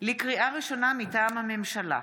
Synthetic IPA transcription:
likʁiʔaʁiʃo̞namitaːmhame̞mʃala̰

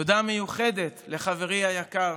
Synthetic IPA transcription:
od̪ame̞juχed̪e̞t̪le̞χave̞ʁiajakaʁ

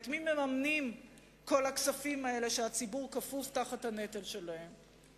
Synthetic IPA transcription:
tmimemamnim | ko̞laksafimae̞le̞ʃeat͡sibuʁkafuvtaχathane̞telʃe̞lahe̞m

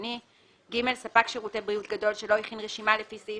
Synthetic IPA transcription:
ni | ɡime̞lsapakʃeʁute̞bʁijutɡado̞lʃelo̞iχinʁeʃimalefisi

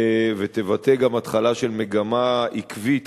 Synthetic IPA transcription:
vet̪e̞vateɡamat̪χalaʃe̞lmeɡamaikvit̪

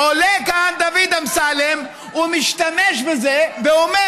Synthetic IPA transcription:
olekand̪avid̪amsalem | umiʃt̪ameʃbezeveome

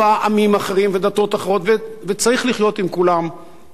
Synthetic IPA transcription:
aʔamimaχeʁimve̞d̪at̪o̞t̪aχeʁo̞t̪vevet͡saʁiχliχjo̞t̪imkulam

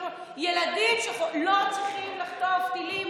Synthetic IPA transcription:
jelad̪imʃeχolot͡sʁiχimlaχt̪ovt̪ilim

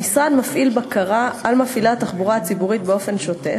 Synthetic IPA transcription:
misʁad̪mafʔilbakaʁaalmafilataχbuʁaat͡sibuʁit̪̚beo̞fe̞nʃote

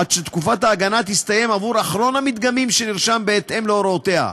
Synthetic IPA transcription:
ad̥̪ʃet̪kufat̪haːɡanat̪ist̪aje̞mavuɾaχɾo̞namit̪̚ɡamimʃeniʁʃambeːt̪e̞mleoɾot̪e̞ha̰

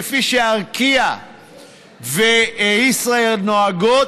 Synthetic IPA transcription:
fiʃeaʁkia | veisʁaelnoaɡo

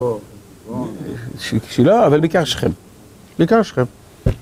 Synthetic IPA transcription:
ʃʃiloavalbikaʁʃχḛm | bikaʁʃχem

